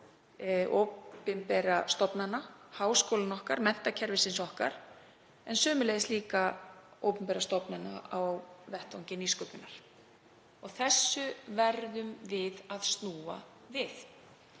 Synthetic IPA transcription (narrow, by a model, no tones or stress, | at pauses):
ʔowpɪmpɛɾast̪ɔpnanːahaːwskowlanɔhkaɾmɛn̥t̪acʰɛɾvɪsɪnsɔhka̰ɾ̥ | ɛnsœːmʏlɛðɪsliːkaowpʏmpɛːɾast̪ɔpnanːa̰awvɛht̪vawɲcɪniskœpnʏnːaɾ̥ | ɔɣθɛsːʏvɛɾðʏmvɪðaðst̪nuːa̰ | vɪθ